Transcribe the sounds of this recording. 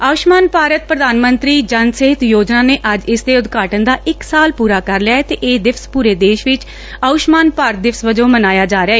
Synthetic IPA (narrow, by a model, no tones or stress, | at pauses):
aːʊʃmaːnpaːɾət̪̚pɾəd̪aːnmənt̪ɾiːd͡ʒənsɪɦɪt̪joːd͡ʒnaːneːʔəd͡ʒɪsd̪eːʊd̪kaːʈənd̪aːʔɪksaːlpuːɾaːkəɾlɪjaːet̪eːʔeːd̪ɪpʰspuːɾeːd̪eːʃʋɪt͡ʃ | aʊʃmaːnpaːɾt̪̚d̪ɪpʰsʋəd͡ʒõːmənaːjaːd͡ʒaːɾeaːeː